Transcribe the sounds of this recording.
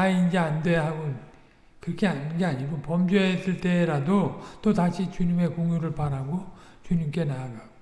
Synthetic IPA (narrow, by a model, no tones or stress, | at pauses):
aind͡ʑeandeɦaɡon | kɯɾʌkʰeaɡeaɲiɡopʌmd͡ʑwesɯɭt͈e̞ɾadot͈otaɕʰit͡ɕuɲime̞koŋjuɾɯɭpaɾɦaɡot͡ɕuɲimk͈e̞naːɡaɡo